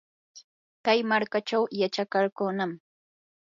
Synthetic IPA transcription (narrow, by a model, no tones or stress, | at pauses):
kajmaɾkat͡ʃawjat͡ʃakaɾkʊnam